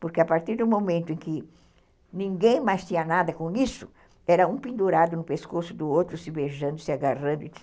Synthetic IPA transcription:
poɾkɪapaɾt̪iɾd̪ʊ̃momẽnt̪ʊẽŋkɪ | nĩŋɡẽj̃majst̪ĩɲɐnad̪ɐkõisʊ | ɛɾɐũpĩnd̪uɾad̪ʊnʊpeskosʊd̪ʊowt̪ɾʊsɪbeʒɐ̃nd̪ʊsɪaɡarɐ̃nd̪ʊi

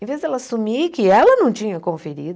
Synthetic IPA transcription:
ẽvezd̪ɛlɐasumikɪɛlɐnɐ̃w̃t͡ʃĩɲɐkõfeɾid̪ʊ

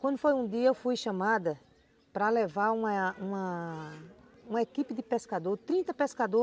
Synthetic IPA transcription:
kwɐ̃nd̪ʊfojũd̪iɐewfujʃɐ̃mad̪ɐ | pɾɐlevaɾũmɐũɐ | ũmɐekipɪd̪ɪpeskad̪oɾt̪ɾĩnt̪ɐpeskad̪o

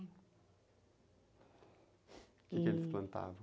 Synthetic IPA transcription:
kɛkelɪsplɐ̃nt̪a̰vɐ

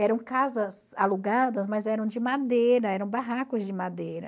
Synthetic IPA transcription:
ɛɾɐ̃w̃kazɐz | aluɡad̪ɐzmɐzɛɾɐ̃w̃d͡ʒɪmad̪ejɾɐɛɾɐ̃w̃baɦakʊzd͡ʒɪmad̪ejɾɐ

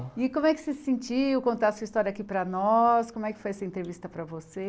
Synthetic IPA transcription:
ɪkõmʊɛkɪ̥sɪsẽnt͡ʃiwkõnt̪asuɐist̪ɔɾjɐakipɾɐnɔskõmʊɛkɪ̥fojɛsɐẽnt̪ɾevist̪ɐpɾɐvose

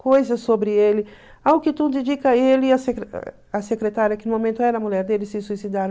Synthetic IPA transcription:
kojzɐsobɾɪelɪ | aʊkɪt̪ũd̪ed͡ʒikɐelɪːɐsekɾ̰ | ɐsekɾet̪aɾjiɐkɪnʊmõmẽnt̪ʊɛɾɐmulɛɾd̪elɪsɪsuisid̪aɾɐ̃

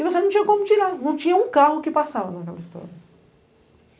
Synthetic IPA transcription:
ɪvosenɐ̃t͡ʃĩɲɐkõmʊt͡ʃiɾanɐ̃w̃t͡ʃĩɲɐũkaɦʊkɪpasavɐnɐkɛ̰lɐist̪ɔ̰ɾjɐ

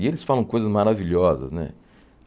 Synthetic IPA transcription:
ielɪsfalɐ̃w̃kojzɐzmaɾaviʎɔzɐ̰znɛ̰

